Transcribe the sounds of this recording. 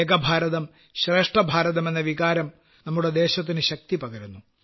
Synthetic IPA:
eɡɐbʱaːɾɐðɐm | ɕɾe̞ːʂʈɐbʱaːɾɐðɐme̞nːɐʋikaːɾɐm | nɐmːuɽe̞d̪e̞ːɕɐt̪̬ːinɨɕɐk̚t̪ipɐɡɐɾunːu

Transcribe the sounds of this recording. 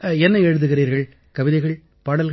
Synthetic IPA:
ɛnːɐɛɻɯðɯɣɪriːɾɣɐɭ | kɐʋɪðɐɪɣɐɭ | paːɽɐlɣ

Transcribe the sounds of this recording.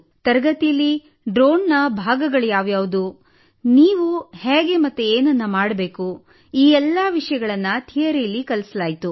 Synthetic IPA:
t̪ɐɾɐɡɐt̪ijɐlːi | ɖɾoːnːɐbʱaːɡɐɡɐɭjaːʋjaːʋud̪u | niːʋuheːɡe̞mɐt̪ːueːnɐnːɐmaːɽɐbe̞ːku | iːɛlːɐʋiʂɐjɐɡɐɭɐnːɐt̪ʰijɐɾejɐlːikɐlsɐlaːjit̪u

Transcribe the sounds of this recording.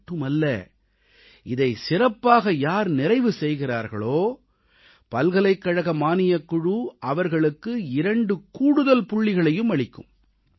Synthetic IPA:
ʈːɯmɐlːɐ̰ | ɪðɐɪsɪrɐpːaːɣɐjaːɾnɪrɐɪʋɯsɛjɣɪraːɾɣɐ̰ɭoː | pɐlɣɐlɐɪkːɐɻɐɣɐmaːnɪjɐkːʊɻuʔɐʋɐɾɣɐɭɯkːɯɪɾɐɳɖɯkuːɽɯðɐlpʊɭːɪɣɐɭɐjɯmɐɭɪkːɯ̰m

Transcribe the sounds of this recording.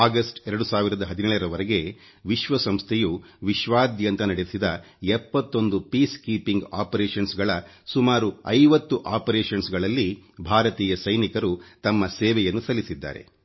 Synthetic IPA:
aːɡɐsʈɛɾɐɽusaːʋiɾɐd̪ɐɦɐd̪inɛːɭɐɾɐʋɐɾɐɡe̞ | ʋiʃʋɐsɐmst̪ʰejuʋiʃʋaːd̪jɐnt̪ɐnɐɽesid̪ɐ | ɛpːɐt̪ːo̞nd̪upiːskiːpiŋɡaːpɐɾeːʃɐnsɡɐɭɐ | sumaːɾuɐjʋɐt̪ːuʔaːpɐɾeːʃɐnsɡɐɭɐlːibʱaːɾɐt̪iːjɐsɐjnikɐɾut̪ɐmːɐsɛːʋɛjɐnːusɐlisid̪ːa̰ːɾe̞̰

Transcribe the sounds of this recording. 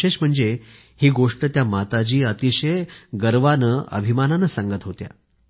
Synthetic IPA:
eɕm̤əɳd͡ze | hiːɡoʂʈət̪jamat̪at͡ɕiːət̪iɕəjɡəɾʋanəə̰bʱimananəsãŋɡət̪ɦot̪ja̰

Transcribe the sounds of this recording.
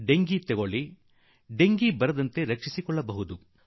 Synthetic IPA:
ɖe̞ŋɡit̪ɛɡoɭi | ɖe̞ŋɡibɐɾɐd̪ɐnt̪e̞ɾɐkʂisikɔɭːɐbɐɦud̪u

